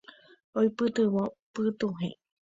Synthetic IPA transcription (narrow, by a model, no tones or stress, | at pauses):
ojpɨt̪ɨβopɨt̪uɦḛ̃